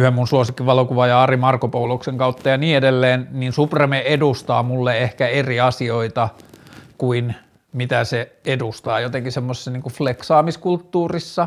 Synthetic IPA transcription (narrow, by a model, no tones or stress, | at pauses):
yhemmunsuosikːiʋɑlokuʋɑjɑɑrimɑrkopoulokseŋkɑut̪ːɑjɑniːedelːeːnniːnsupremeʔedust̪ɑːmulːeehkæeriɑsioit̪ɑkuin | mit̪æseedust̪ɑːjot̪eŋkisemːose̥sːɑniːŋkufleksɑːmiskult̪ːuːrisːɑ